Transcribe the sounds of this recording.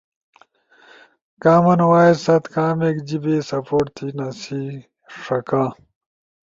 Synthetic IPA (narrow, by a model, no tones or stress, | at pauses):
kaːmɐnwaːisɐt̪kaːmeːkd͡ʑibeːsɐpoːʈt̪ʰinɐsiː | ʂɐkãː